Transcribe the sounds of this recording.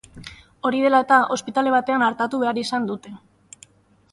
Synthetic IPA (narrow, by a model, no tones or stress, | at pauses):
o̞ɾið̞e̞lae̞t̪aʔospit̪ale̞β̞at̪e̞anaɾt̪at̪uβe̞aɾisand̪ut̪e̞